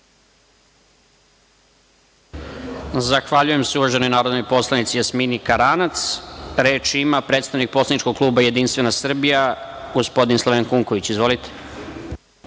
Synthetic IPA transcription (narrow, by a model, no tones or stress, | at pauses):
zaxʋaʎuje̞mseuʋaʒe̞no̞jnaːɾod̪nojpo̞slˠanit̪sijasminikaɾanat̪sɾe̞ːt͡ʃimapɾe̞t̪st̪aʋnik̚po̞slanit͡ʃkoɡ̚klˠuːbaje̞d̪inst̪ʋe̞nasr̩bijaɡo̞spo̞d̪inslˠoeŋkuŋko̞ʋit͡ɕizʋo̞lit̪e̥